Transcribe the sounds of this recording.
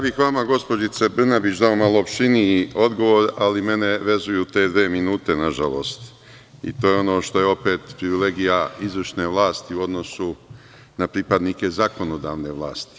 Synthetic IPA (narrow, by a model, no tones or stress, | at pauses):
jaːbixʋamaɡo̞spo̞d͡ʒit̪sebr̩nabit͡ʃd̪ao̞malˠoːpʃiniio̞d̪ɡo̞ʋo̞ːɾalime̞ne̞ʋe̞zujut̪e̞ːd̪ʋeːminuːt̪e̞naʒalo̞̰ːst̪ | ḭt̪oːjeo̞no̞ːʃt̪o̞je̞o̞pe̞ːt̪pɾiʋile̞ɡijaizʋərʃne̞ːʋlˠaːst̪iuo̞d̪no̞su | napɾipad̪nike̞zako̞no̞d̪a̰ːʋne̞ʋlˠa̰ːst̪i̥